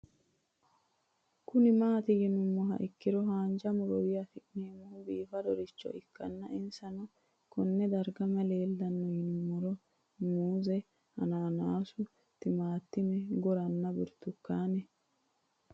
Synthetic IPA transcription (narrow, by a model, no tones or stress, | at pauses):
kʊnɪmaːt̪ɪɡɪnʊmːɔɦɐ̰ʔɪkːɪɾɔɦaːnd͡ʒɐmʊɾɔwɪjɐfɪʔneːmɔhʊbiːfɐd̪ɔɾɪt͡ʃːɔ̰ʔɪkːɐnːɐʔɪnsɐnɔ | kɔnːɛd̪ɐɾɡɐmɐleːld̪ɐnːɔjɪnʊmːɔɾɔ | muːzɛ | hɐ̰naːnaːsʊ | t̪ɪmaːt̪ːɪmɛɡɔɾɐnːɐbɪɾt̪ːʊkːaːnɛ